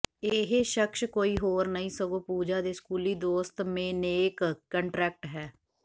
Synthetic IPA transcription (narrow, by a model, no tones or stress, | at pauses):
eːɦeʃəkʃkoːiːɦoːɾnəĩːsəɡoːpuːd͡ʒaːd̪eːskuːliːd̪oːst̪mẽːneːkːəɳʈɾɛːk̚ʈɦɛː